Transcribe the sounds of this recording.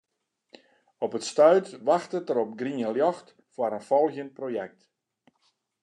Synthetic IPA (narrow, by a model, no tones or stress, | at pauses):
ɔpətstœɥtʋaxtətəɾɔp̚ɡriəljɔxt | fwaɾənfɔlˠhjənprojɛk̚t